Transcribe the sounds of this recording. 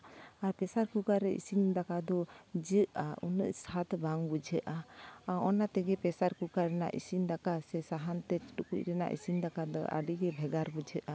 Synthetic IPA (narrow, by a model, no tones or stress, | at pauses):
aɾpɛsaɾkukaɾɛḭsind̪akad̪ɔd͡ʒəʔaunə̰ʔsat̪baŋbud͡ʒʱəʔaɔnat̪ɛɡɛpɛsaɾkukaɾɛna̰ʔisind̪akasɛsaɦant̪ɛt͡ʃi̥ʈukuc̚ɾɛna̰ʔḭsind̪akad̪ɔʔa̰ɖiɡɛbʱɛɡaɾbud͡ʒʱəʔa